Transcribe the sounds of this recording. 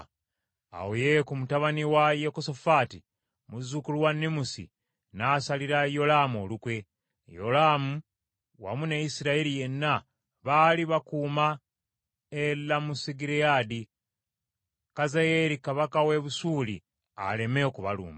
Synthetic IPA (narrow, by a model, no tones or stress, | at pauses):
a̰wojekumutaβaniwajekosofaːti | muzukuluwanːimusḭ | naːsaliɾajo̞laːmo̞lukwe̞ | jo̞̰laːmu | wa̰muneisiɾailije̞nːa | βaliβakuːma | elːamusiɡiɾiaːdi | kazajeɾikaβakawe̞βusuːli | a̰le̞meokuβa̰lṵːma